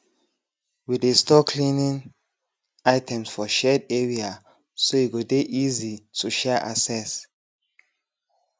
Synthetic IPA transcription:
widestɔkʰlĩnĩn | aɪtʰɛ̃msfɔʃɛdɛɹia | soiɡodeʔizitʰuʃɛʔasɛs

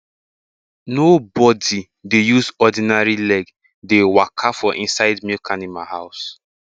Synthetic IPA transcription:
nobɔdi | dejuzɔdinaɹilɛɡ | dewakʰafɔʔḭ̃nsaɪdmikʰanĩmahaʊs

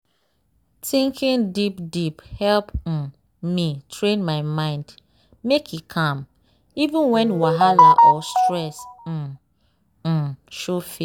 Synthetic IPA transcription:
tʰĩŋkʰĩndipdiphɛlp̩ | mitʰɹẽnmaɪmãɪ̃nd | mekʰjikʰãm | ivĩnwɛ̃nwaɦalaʔɔstɹɛs̩ | ʃofi

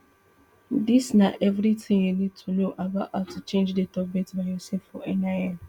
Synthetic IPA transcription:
disnaʔɛvɾitɪ̃ŋjunid̚tʰunoʔabaʔhaʊtʰut͡ʃẽnd͡ʒdetɔbmɛ̃tbajɔsɛfɔɛnaja

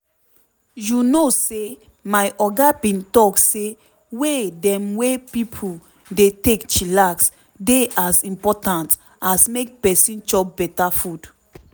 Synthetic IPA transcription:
junose | maɪʔɔɡabĩntɔkse | wedɛ̃mwepipʰu | detekt͡ʃilaks | deʔasĩmpɔtãnt | asmek̚pɛsĩnt͡ʃɔk̚bɛtafud

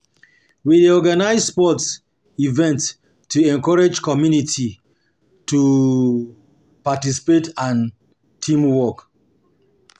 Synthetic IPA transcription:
widiɔɡanaɪzspɔts | ivɛ̃nt | tːuɛ̃ŋkɔɹed͡ʒkɔmjunitʰi | tu | patisi̥petãn | tʰĩmwɔk

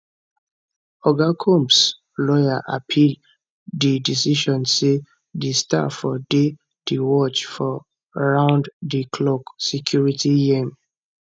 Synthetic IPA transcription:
ɔɡakʰɔ̃mps | lɔjaʔa̰pʰil | didisiʃɔ̃nse | desta̰fɔde | diwɔt͡ʃfɔ | ɹãʊ̃nddikʰlɔksɛkʰjuɹitijem

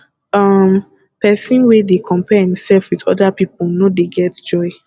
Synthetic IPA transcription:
ʌm | pɛsĩnwedekʰɔ̃mpɛhĩmsɛlfwidɔ̰dapip̚lnodeɡɛtd͡ʒɔɪ

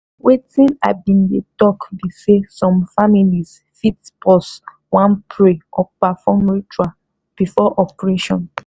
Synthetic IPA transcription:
wetĩna̰ɪbĩndetɔkbisesɔ̃mfamiliz | fitpʰɔs | wãnpʰɹeɔpafɔmɹit͡ʃua | b̥ifɔʔɔpɹeʃɔ̃n

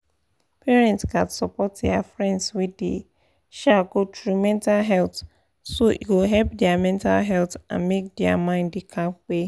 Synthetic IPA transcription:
pʰɛɹɛ̃ntskãdsɔpɔt̚dɛafɹɛ̃ndswidḛ | ʃaɡotʰɹumɛ̃ntalɦɛlt | soʔiwilɦɛlpdɛamɛ̃nta̰lɦɛltã̰nmek̚dɛamãɪ̃nddikʰapwe

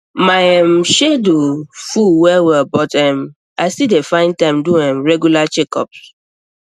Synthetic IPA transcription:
majɛmʃedofuwɛwɛbɔtɛ̃m | aɪsidefãɪ̃ntãɪ̃mduɛ̃mɹɛɡjulat͡ʃekɔ̰ps

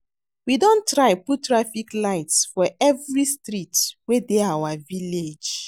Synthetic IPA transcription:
widõntɹaɪputtːɹafiklaɪtsfɔɛvɹistɹitwedeawaviled͡ʒ

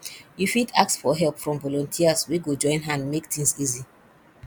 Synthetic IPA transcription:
jufidak̚tsfɔɦɛlˠpfɹɔ̃mvɔlɔ̃ntʰiaswiɡod͡ʒɔ̃ɪ̃nɦãnmektʰĩŋsizi

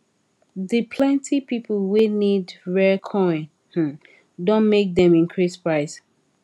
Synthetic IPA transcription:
ðɨpʰlɛ̃ntʰipipəlˠwinidɹɛkʰɔ̃ɪ̃n | h̩ | dõnmek̚dɛ̃mĩnkʰɹispɹaɪs

